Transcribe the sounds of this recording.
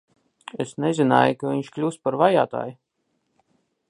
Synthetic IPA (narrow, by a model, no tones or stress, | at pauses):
esnɛzina̰ːjukaviɲʃklʲuːspaɾvaja̰ːt̪a̰ːj